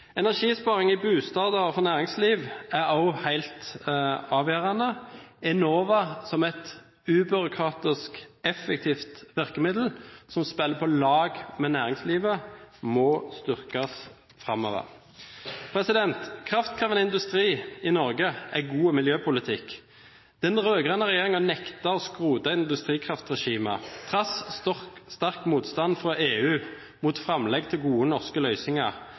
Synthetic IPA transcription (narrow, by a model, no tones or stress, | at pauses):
ɛnæʁʃiːspɑːʁɪŋɪbʉːst̪ɑːd̪ɑʁfɔʁnæːʁɪŋsliːʋæɑʊhæɪlt̪ | ɑːʋjøːʁɑnəɛnoːʋɑsɔmɛt̪ | ʉːbʏɾʊkʰʁɑːt̪ɪskɛfɛkt̪ʰiːft̪ʋɪʁkəmɪd̪l̩sɔmspɛlːəpʰɔlɑːɡmɛnæːʁɪŋsliːʋəmɔst̪ʏʁkɑs | fʁɑmɔʋə̰ʁ | pʰɾɛsɪd̪ɛnt̪kʰʁɑft̪̚kʰʁɑːʋənɪnd̪ʉst̪ʁiːɪnɔʁɡəæɡuːəmɪljøːpʰʊlɪt̪ʰɪkː | d̪̥ɛnʁøːɡʁənəʁɛjeːʁɪŋɔnɛkt̪ɑɔskʁuːd̪ɑɪnnd̪ʉst̪ʁiːkʰʁɑft̪ʁɛʃiːmət̪ʰʁɑs | st̪ɑʁkmuːt̪st̪ɑnfʁɔʔeːʉː | mʊt̪fʁɑmlɛɡt̪ʰɪlɡuːənɔʁskəlœʏsɪŋɑʁ